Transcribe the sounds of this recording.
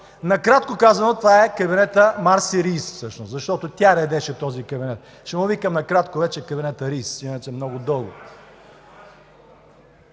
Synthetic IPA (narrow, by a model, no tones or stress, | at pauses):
nɐkɾat̪̚kokazɐnot̪vaɛkɐbinɛt̪əmaɾsiɾisfsɤʃnoʊszɐʃt̪ɔt̪ot̪ʲjaɾɛd̪ɛʃɛt̪ɔzikɐbinɛt̪̚ | ʃɛmovikɐmnɐkɾat̪kovɛt͡ʃɛkɐbinɛt̪əɾissvinɐt͡ʃɛmnɔɡʊd̪ɤlˠɡo̰